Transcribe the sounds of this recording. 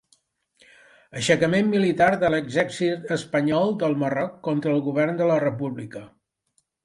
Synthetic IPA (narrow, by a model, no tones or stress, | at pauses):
əʃəkəmemːilit̪aɾðələɡzɛɾsit̪əspəɲɔlˠd̪əlˠmərɔkːɔnt̪ɾəːlˠɣuβ̞ɛrnd̪ələrəpuβlikə